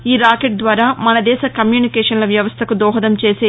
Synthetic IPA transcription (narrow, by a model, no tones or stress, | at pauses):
iːɾaːkeʈ̚d̪ʋaːɾaːmɐnɐd̪ɛːʃɐkɐmjuːnikɛːʂɐnlɐʋjɐʋɐst̪ʰɐkud̪ɔːɦɐd̪ɐmt͡ʃe̞ːseː